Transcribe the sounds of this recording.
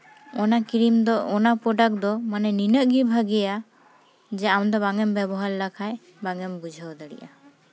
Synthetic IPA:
ɔnakiɾimd̪ɔɔnapɔɖak̚d̪ɔmanɛninəʔɡibʱaɡɛja | d͡ʒɛamd̪ɔbaŋɛmbɛbɔɦaɾlakʰaj | baŋɛmbud͡ʒʱawd̪əɽḭʔa

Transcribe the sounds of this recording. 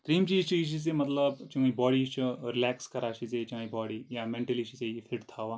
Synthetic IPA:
t̪ɾiːmt͡ʃiːzt͡ʃiiʃ̬is̬emɐt̪ləbt͡ʃũibɔːɽit͡ʃɾɪlɛːkskɐɾaːʃiset͡ʃãibɔːɽijamẽɳʈəliʃisejefʰɪʈt̪ʰaːʋaː

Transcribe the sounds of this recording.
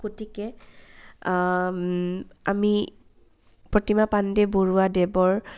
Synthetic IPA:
kotikɛ | a̰mi | pɹotimapandɛboɹuadɛbɔɹ

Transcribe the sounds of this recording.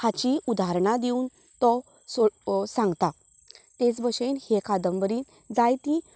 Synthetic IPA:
hat͡ɕiud̪aɦɾɳad̪iun | t̪ɔ | sosãŋɡt̪a | t̪et͡sbəɕenhekad̪əmbəɾiːn | d͡zajt̪ĩ

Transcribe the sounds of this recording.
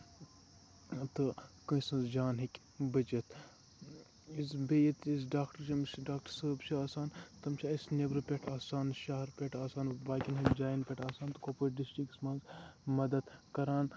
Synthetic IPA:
t̪ɨkɨsɐ̃nzd͡ʒaːnɦikʲ | bɐd͡ʒɐt̪ | izbejit̪is̬ɖaːkʈɐɾt͡ʃʰɐmsɖaːk̚ʈɐɾsəbt͡ʃʰiaːsaːnt̪ɐmt͡ʃʰaːisnebɾɨpʲeʈʰaːsaːnʃaːɦɐɾpʲeʈʰaːsaːnbaːkʲinɦɐd͡ʒaːjnpʲeʈʰaːsaːnt̪ɨkopoʈɖisʈɾiksmaːnzmɐd̪ɐd̪kɐɾaːn

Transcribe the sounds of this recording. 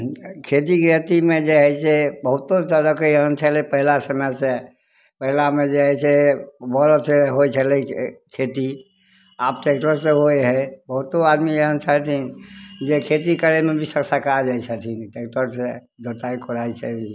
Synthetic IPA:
kʰet̪̬iɡɾət̪imẽd͡ʒeɦɛsebəɦʊt̪ːotəɾəkəjəɦənt͡ʃʰəlepəɦilasəməjse | pəɦilamẽd͡ʒeɦɛsebɔləseɦojt͡ʃʰəlekʰet̪i | aːpʈekʈəɾseɦoeɦɛbəɦut̪oad̪miəɦənt͡ʃʰət̪ʰind͡ʒekʰet̪ikəɾemẽbʱisəksakad͡ʒajt͡ʃʰət̪ʰinʈekʈəɾse | d͡ʒot̪aikʰoɾaisebʱi

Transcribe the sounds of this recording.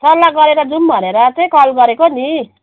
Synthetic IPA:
sʌrlaɡʌɾeɾʌd͡zumbʱʌneɾʌt͡sʌj̃kʌlɡʌɾekoni

